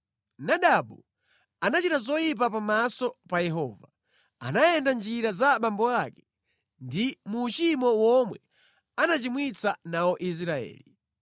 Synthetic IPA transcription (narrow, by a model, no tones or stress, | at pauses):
naɗaɓu | anat͡ʃitazɔjip̬ap̬amasɔpajɛɦɔ̰ːva | a̰najɛndand͡ʒiɾazaɓambɔakɛ̥ | ndimuːt͡ʃimɔwɔmwɛ | anat͡ʃimwit͡sanawɔʔis̬ɾaɛ̰ːli